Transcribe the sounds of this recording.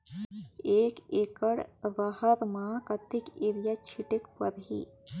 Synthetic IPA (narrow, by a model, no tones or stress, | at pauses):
eːkeːkəɽʋahəɾmãːkɐt̪ɪkeɾjat͡ʃʰiʈekʋɐɾɦḭː